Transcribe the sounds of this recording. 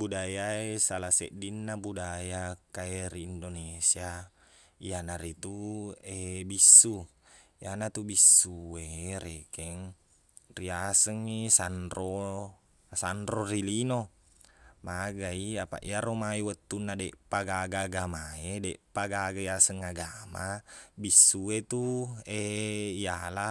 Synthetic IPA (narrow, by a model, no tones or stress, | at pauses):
budajaesalasɛ̰ʔdinːabudajakaɛriːndonesia | ianaɾit̪uebisːujʔanat̪ubisːueɾekɛŋ | riasəŋːisanɾo | sanrorilino | maɡaiapa̰ʔḭaɾomaiwət̪ːunːadɛpaɡaɡaɡamaedɛʔpaɡaɡaiasəŋaɡamabisːuet̪ueijala